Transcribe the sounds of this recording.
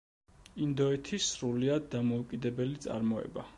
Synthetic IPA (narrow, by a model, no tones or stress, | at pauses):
ind̪ɔɛt̪ʰisɾuliad̪ːamɔukʼid̪ɛbɛlit̪sʼa̰ɾmɔɛ̰ba